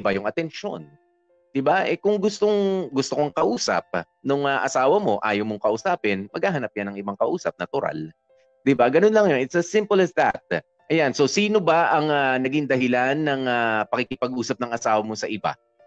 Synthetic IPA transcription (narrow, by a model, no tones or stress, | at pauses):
ɪbajʊŋʔɐt̪ɛnʃo̞̰n | d̪̥ɪbaʔɛkʊŋɡʊst̪oŋɡʊst̪okoŋkɐʔuːsɐ̰p̚ | nʊŋaʔɐsaːwɐmo̞ʔaːjowmoŋkɐʔʊsaːpɪnmɐɡ̚haːɦɐnap̚janɐŋɪbaŋkɐʔuːsɐp̚nɐt̪ʊɾa̰l | d̪ɪbaɡɐno̞nlɐŋjonɪt̪sɐsɪmpolɐsd̪ɐ̰t̪̚ | ʔɐjanso̞siːno̞baʔɐŋanɐɡiŋd̪ɐɦɪlanːɐŋapɐkɪkɪpɐɡʔuːsɐp̚nɐŋʔɐsaːwɐmo̞sɐʔɪba̰